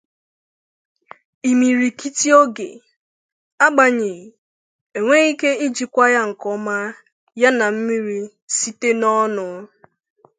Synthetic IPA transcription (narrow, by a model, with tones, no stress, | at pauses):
i˨mi˨ɾi˨ki˦ti˦ɔ˦ɡḛ˨ | a˦ɡ͡ba˨ɲɪ˨ | e˨ŋʷe˦i˦ke˦i˦d͡ʒi˨kʷa˦ja˦ŋ̩˨kɔ˦ma˦ | ja˦na˨m̩˦mi˦ɾi˨ | si˦te˦nɔ˦nʊ˨˦